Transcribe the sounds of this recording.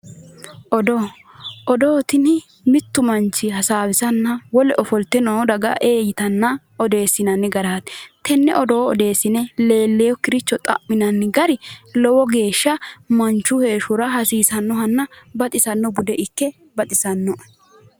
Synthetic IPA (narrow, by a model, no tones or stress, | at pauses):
ʔɔd̪o | ʔɔd̪oːt̪ɪnɪ | mɪt̪ːʊmɐnt͡ʃːɪhɐsaːwɪsɐnːɐwɔlɛʔɔfɔlt̪ːɛnoːd̪ɐɡɐ̰ʔeːjɪt̪ɐnːɐ | ɔd̪e̞ːsɪnɐnːɪɡɐɾaːt̪t̪ːɛnːɛʔɔd̪o̞ːɔd̪e̞ːsːɪnɛle̞ːlːɛjɔkɪɾɪt͡ʃːɔt̪ʼɐ̰ʔːɪnɐnːɪɡɐɾɪlɔwɔɡe̞ːʃːɐmɐnt͡ʃːʊhe̞ːʃʊɾɐɦɐsiːsɐnːɔɦɐnːɐbɐt̪ʼɪsɐnːɔɡʊd̪ɛʔɪkːɛ | bɐt̪ʼɪsɐnːɔ